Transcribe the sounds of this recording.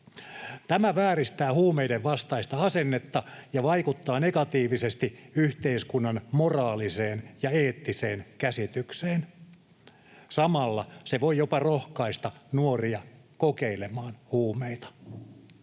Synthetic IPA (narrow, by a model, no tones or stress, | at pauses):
t̪æmæʋæːrist̪æːhuːmeideʋʋɑst̪ɑist̪ɑɑsenːet̪ːɑjɑʋɑikut̪ːɑːnekɑt̪iːʋisest̪iyht̪eiskunːɑnmorɑːliseːnjɑeːt̪ːiseːnkæsit̪ykseːn | sɑmɑlːɑseʋoijopɑrohkɑist̪ɑnuoriɑ | kokeilemɑːnhuːmeit̪ɑ̥